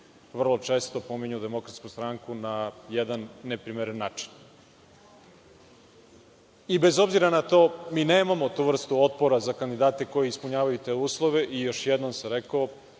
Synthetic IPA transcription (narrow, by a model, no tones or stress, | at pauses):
ʋr̩lˠo̞t͡ʂe̞ːst̪o̞po̞miɲud̪emo̞kɾat̪skust̪ɾaŋkunajɛd̪anːepɾimeɾenːaːt͡ʂi̥n | ibezo̞bziɾanat̪o̞ːmiːneːmamo̞t̪uʋr̩st̪uo̞t̪̚poɾazakand̪id̪aːt̪e̞ko̞jeispuɲaːʋajut̪e̞ːuːslˠoʋe̞ʔijo̞ʃjed̪nomseɾeko